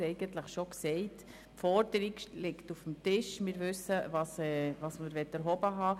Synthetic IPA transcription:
ɛɪɡ̥əntləχʃoksɛɪt | fɔɾd̥əɾiklɪktufm̩tɪʃmɪɾvʏsːəvɑːsɛvɑːsməɾʋɛtːɛɾɦɔbəɦɑː

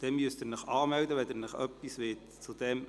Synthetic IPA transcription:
d̥ɛmmyəstənəχɑːmɛwdəʋɛdɛnəχœ̰pːisʋeːt | t͡sud̥ɛm

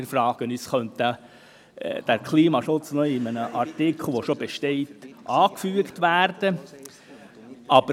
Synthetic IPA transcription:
ɪɾfɾɑːɡ̥ənyːsχœnt̪ə̰ | d̥æɾkʰliːmɑʃʊt͡snɔɪmənəʔɑɾtɪkʰl̩ˠʋɔʃobɛʃtɛɪtʔɑːkfyəktʋæːrd̥ə | ʔɑb̥ə

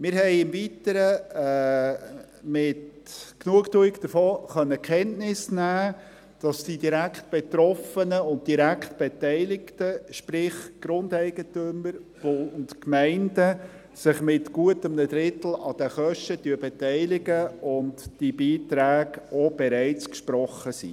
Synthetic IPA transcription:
mɪːɾɦɛɪɪmvitəɾə | mɪtknuəktuːɪkd̥̪əfoːχœnːəkχɛntnɪsnæː | d̥ɑsd̥idiɾækχt̚b̥et̪ɾɔfənəʊnt̚d̥iɾækχtb̥ɛtɛɪlɪktəʃpɾɪχɡ̥ɾʊndɛɪɡətøməɾb̥ʊʊntkmæɪndə | sɪχmɪtɡ̥uətəmnədɾɪtl̩ɑd̥əχœʃtətyəbɛtæɪlɪɡəʊntd̥ibiːtɾæːɡɔb̥ɛɾæɪt͡skʃpɾɔχːəsḭ

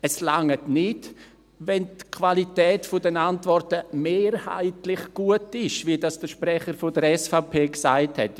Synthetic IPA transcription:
ɛslaŋətnɪd | vɛntkʰvalitɛːtfʊdɛnantvɔrtəmeːɾha̰ɪtlɪχɡ̥uətɪʃvidɑsd̥əʃprɛχəɾfʊdəɾɛsfapʰeːksaɪthɛ̰t

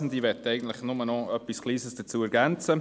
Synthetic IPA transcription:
n̩d̪iʋɛtːɛɪɡən̩t̪lɪχnʊmənɔœpːiskliːsəsd̥ət͡suːæɾɡænt͡sə

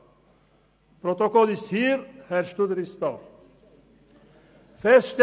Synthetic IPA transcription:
pʰɾɔt̪ɔkɔlɪshiːɾhæɾʃt̪ud̪ɾist̪ɑ̰ː | fɛst̪

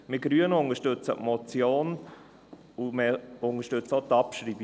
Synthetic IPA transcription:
mɪɡ̥ɾyənʊŋəʃtɵt͡sə̰ʔmɔt͡sjoːn | umɛʊŋəʃtɵt͡sotɑpʃɾiːb

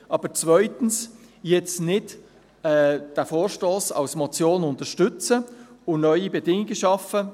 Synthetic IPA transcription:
ʔɑːb̥əɾt͡svœʏtn̩s | jɛt͡snɪd | ɛːd̥æfoːɾʃtoːsɑ̰lsmɔt͡sjoːnʊntəʃtʏt͡səʊnœʏibɛdɪŋɪɡəʃɑfə

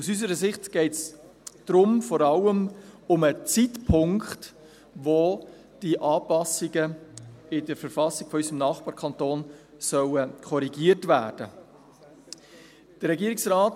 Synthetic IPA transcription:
usys̬əɾəsɪχtɡ̥ɛɪtsd̥ɾʊmfɔɾɑləmʊmət͡sitpʰʊŋkχt | vʋo | d̥iʔɑːpɑsɪɡəɪdəɾfəɾfɑsɪɡ̥fɔysəmnɑːχb̥ɑːɾkʰɑntoːn | sœwəkʰɔɾiɡiːətvæːɾd̥ə | d̥əɾɛɡiəɾɪksraːt

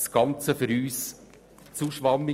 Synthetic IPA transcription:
sɡ̥ɑnt͡səfʏɾyːs | t͡suʃʋɑmːɪ

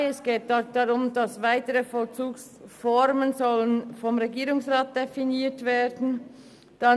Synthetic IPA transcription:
ɛsɡ̥eːt̚d̥ɔd̥ɑʁʊmdɑsvaɪtəɾəfɔlt͡suːks | fɔɾmənzɔlənfɔmʁeɡiːɾʊŋsʁaːt̚d̥efiniːtveːɾdn̩ | d̥a

